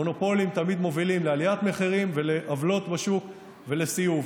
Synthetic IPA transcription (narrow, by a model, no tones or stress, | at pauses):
o̞no̞po̞limt̪amid̪mo̞vilimlealiat̪meχiʁimveleʔavlo̞t̪baʃuk | velesijuv